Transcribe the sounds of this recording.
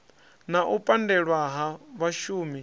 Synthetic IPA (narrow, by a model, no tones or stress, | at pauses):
naʔupʼandɛɺwaɦaβaʃuːmi